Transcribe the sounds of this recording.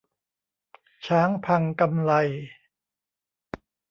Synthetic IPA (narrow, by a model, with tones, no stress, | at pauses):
t͡ɕʰaː˦˥ŋpʰa˧ŋka˧mla˧j